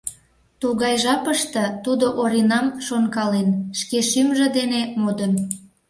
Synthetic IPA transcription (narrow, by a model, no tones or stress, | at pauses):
t̪uɣɑjʒɑpəʃt̪ə̆t̪ud̪oʔoɾinɑmʃonkɑlenʃkeʃymʒə̆d̪enemod̪ən